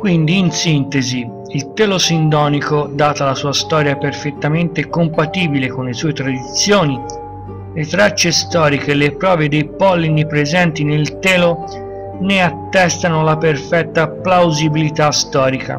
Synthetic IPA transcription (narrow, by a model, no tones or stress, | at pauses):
kwind̪iːnsint̪ezi | ilt̪ɛːlosind̪ɔːnikod̪aːt̪alasuːast̪ɔːɾjaperfet̪ːament̪ekompat̪iːbilekonlesuːet̪ɾad̪it̪sːjoːni | let̪ɾat͡ʃːest̪ɔːɾik̟elepɾɔːved̪ejpɔlːinepɾezɛnt̪inoilt̪ɛːlo | neat̪ːɛst̪anolaperfɛt̪ːaplawzibilit̪ast̪ɔːɾika̰